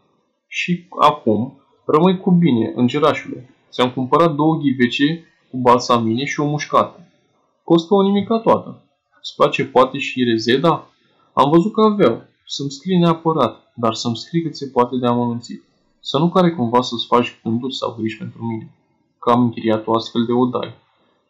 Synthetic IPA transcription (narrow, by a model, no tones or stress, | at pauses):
ʃia̰kum | rəmɨnkubine̞̰ʔɨ̰nd͡ʒeɾaʃule̞̰ | seamkumpəɾat̪̚d̪o̞wəɡʲive̞t͡ʃe̞ | kubalsamine̞ʃio̞muʃkat̪ə | ko̞st̪əo̞nimikəat̪wat̪ə | spat͡ʃe̞poat̪e̞ʃiɾe̞ze̞d̪a | a̰mvəzut̪̚kəavaw | səmskɾijneapəɾat̪ | d̪arsəmskɾijkɨt̪se̞poat̪e̞d̪eamənunt̪sit̪ | sənukaɾe̞kumvasəsfat͡ʃʲbɨnd̪urʲsa̰wɡɾiʃʲpe̞nt̪ɾumine̞ | kəamɨŋkʲɾijat̪o̞ast̪fe̞ld̪e̞o̞d̪a̰j